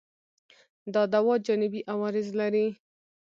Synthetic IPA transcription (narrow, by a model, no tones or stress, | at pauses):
d̪ɑd̪awɑd͡ʒanɪbiʔawɑɾɪzlaɾi